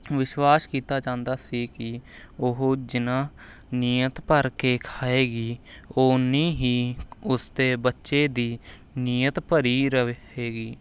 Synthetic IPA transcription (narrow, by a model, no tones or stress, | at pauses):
ʋɪʃwaːskiːt̪aːd͡ʒãːnd̪aːsiːkɪ | oɦd͡ʒɪnãː | nijət̪pəɾkeːkʰaːeːɡiːoːnĩːɦiːʊst̪eːbətːʃeːd̪iː | nijət̪pəɾiːɾə | eːɡiː